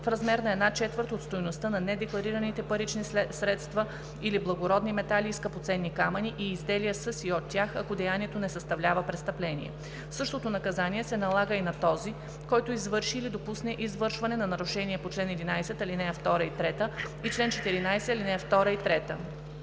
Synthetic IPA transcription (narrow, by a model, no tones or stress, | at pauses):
fɾɐzmɛɾnɐɛd̪nat͡ʃɛt̪vəɾt̪ot̪st̪ojnost̪ənɐnɛd̪ɛklˠɐɾiɾənit̪ɛpəɾit͡ʃnisɾɛt̪st̪və | iliblˠɐɡoɾɔd̪nimɛt̪alʲiːskɐpot̪sɛnːikamɐniʔiːzd̪ɛlijəsəsiot̪ʲːjaxɐkod̪ɛjaniɛt̪onɛsəst̪ɐvlʲavəpɾɛt̪st̪ɐplɛnḭɛ̰ | fsɤʃt̪ot̪onɐkɐzaniɛsɛnɐlˠaɡəinɐt̪ɔzi | kɔjt̪oizvɤɾʃiːlid̪opusnɛʔizvɤɾʃvɐnɛnɐnɐɾʊʃɛniɛpot͡ʃlɛnɛd̪inajsɛt̪ɐlinɛft̪ɔɾəit̪ɾɛt̪ə | it͡ʃlɛnt͡ʃɛt̪iɾinajsɛilinɛft̪ɔɾəit̪ɾɛt̪ə̰